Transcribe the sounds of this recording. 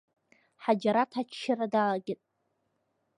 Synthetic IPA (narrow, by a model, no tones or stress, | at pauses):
ħad͡ʒaɾatʰat͡ʃʰʃɪradalaɡʲɪtʼ